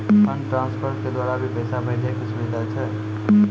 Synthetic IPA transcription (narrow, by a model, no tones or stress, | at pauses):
ɦənʈɾãnspʰəɾked̪waɾabʱibəsabəɪd͡ʒakesubid̪ʱat͡ʃʰɛ